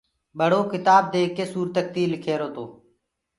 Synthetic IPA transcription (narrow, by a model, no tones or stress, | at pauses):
ɓəɽ̤oːkɪt̪aːb̚d̪eːkːeːsuːɾt̪ək̚t̪iːlɪkʰeːɾoːt̪oː